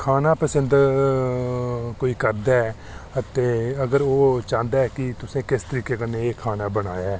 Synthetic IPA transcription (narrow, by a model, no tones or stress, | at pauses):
kʰaːnaːpəsənd̪ | koːiːkəɾd̪aɛ | ət̪eːəɡəɾoːt͡ʃãːnd̪aːɛːkɪt̪ʊsẽːkɪst̪əɾiːkeːkənːeːkʰːaːnaːbəɽa̰ːjaɛː